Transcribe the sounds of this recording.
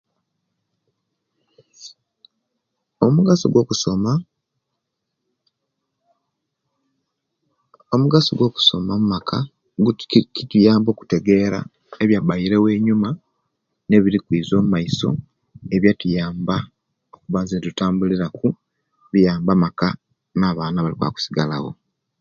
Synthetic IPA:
omuɡaso̰ɡwo̞kusoma | o̞muɡaso̰ɡwo̞ku̥so̞̰mamumakʰa | kitujaːmbo̞ːku̥te̞ɡe̞ɾa̰ | eβjabajiɾe̞we̞ːɲuma | ne̞βiɾikwiːzo̞ːmumaiso̞̰ | e̞βjatujaːmba | o̞kuβazetutaːmbuliɾaku | βijaːmbamaka | naːβaːnaβaliβa̰ːku̥siɡala̰wo̞̰

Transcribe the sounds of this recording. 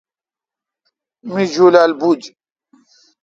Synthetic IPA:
mid͡ʑulaːlbud͡ʑ

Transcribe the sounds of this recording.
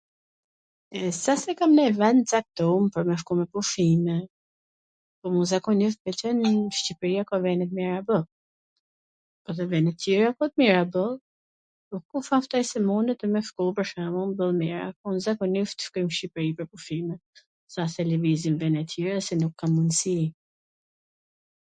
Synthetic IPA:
ɛsasɛkamnɛvɛnt͡sak̚t̪ɔmpəɾmɛfkɔmɛpufimɛ | pɔmunzakɔnift̪bɛt͡ʃɛnʃcipɾiakɔvɛnɛt̪miɾabəl | pɔt̪̬ɛvɛnɛt̪ːjɛɾakɔt̪̚miɾabəlˠ | pɔkufaft̪ajsɛmund̪ət̪ɛmɛfkɔpəɾʃamunbəlˠmiɾa̰kɔnzakɔnift̪ə̥ʃkɔjmʃcipɾipəɾpufimɛ | sasɛləvizimvɛnɛt̪jɛɾasɛnukʰːamːund̪si

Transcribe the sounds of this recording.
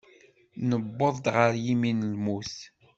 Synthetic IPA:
nəbːəðˤd̪ʁəɾjiminlmus

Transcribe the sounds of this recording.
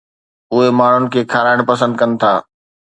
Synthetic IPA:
ʊɦemaːɳ̤ʊnɪ̆kʰeːkʰaːɾaːɪɽ̃pɐs̬ə̃nd̪̚kɐnɪ̆t̪ʰaː

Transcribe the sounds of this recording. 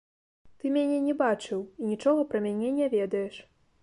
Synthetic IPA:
t̪ɨmʲanʲɛnʲɛbat͡ʂɨwinʲit͡ʂɔɣɐpɾɐmʲanʲɛnʲɛvʲɛd̪ɐjɛʂ

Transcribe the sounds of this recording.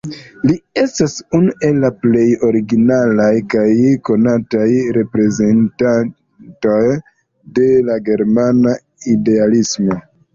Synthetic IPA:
lie̞stasunuʔe̞lːaple̞jo̞ɾiɡinalajkajko̞natajɾe̞pɾe̞ze̞ntan | to̞j | de̞laɡe̞ɾmana | ide̞alismo̞

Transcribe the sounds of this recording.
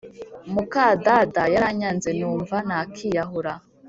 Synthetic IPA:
mukadadajaɾaɲanzenuːɱvanakʰijaɦuɾa

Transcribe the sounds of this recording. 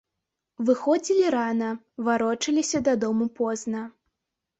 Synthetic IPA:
vɨxɔd͡zʲilʲiɾanɐ | vaɾɔt͡ʂɐlʲisʲɐd̪ɐd̪ɔmupɔznɐ

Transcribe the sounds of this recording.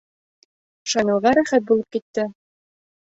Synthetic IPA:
ʃɑnɤ̆ʁɑɾæχæt̪̚bulˠɤp̚kit̪ːɘ

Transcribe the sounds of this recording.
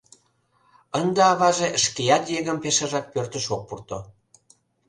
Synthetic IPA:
ənd̪eɑβɑʒeʃkejɑt̪jeɣəmpeʃəʒɑk̚pørt̪ə̆ʃok̚purt̪o

